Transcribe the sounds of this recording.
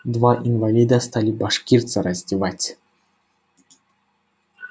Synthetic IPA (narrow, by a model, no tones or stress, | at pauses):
d̪vaʔinvalʲid̪əst̪alʲibaʂkʲirt̪səɾɐzʲdʲɪvatʲ